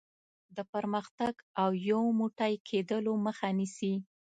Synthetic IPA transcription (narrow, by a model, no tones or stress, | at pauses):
d̪əpəɾməxt̪aɡawjawmuʈajkʰed̪əloməxanisi